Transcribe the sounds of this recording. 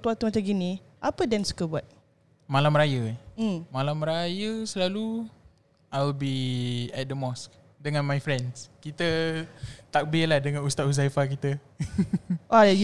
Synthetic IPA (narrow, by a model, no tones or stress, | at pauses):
t̪uat̪umat͡ʃaɡini | ʔapədɛnsu̥kəbuat̪̚ | malamɾajəmalamɾajəsəlalu | ʔajwlbiɛt̪̚dəmɔsk̚ | dəŋãnmajfɾɛ̃ndskit̪ə | t̪ak̚bilahdəŋãnust̪at̪̚hus̬aifakit̪ə | ʔa